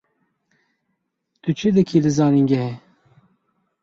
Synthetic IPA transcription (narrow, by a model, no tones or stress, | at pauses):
t̪ut͡ʃʰɨd̪ɨkʰilɨzɑːniŋɡɛɦɛ